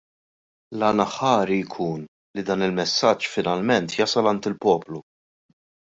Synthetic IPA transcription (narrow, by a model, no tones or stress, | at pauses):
lɐːnɐħːɐːɾijkʰuːn | lid̪ɐːnɪlmɛsːɐt͡ʃːfɪnɐlmɛnt̪jɐsɐlɐnt̪ɪlpɔːplu